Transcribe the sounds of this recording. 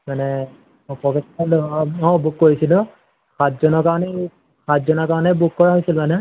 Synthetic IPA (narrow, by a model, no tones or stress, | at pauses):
manɛ | ɔpɔkɛtaloɔ̃bukːoɹisilʊ̃ | kʰatzɔnɔkaɹɔnɛ | kʰatzɔnɔɹkaɹɔnɛbukːɔɹaɦojsilmanɛ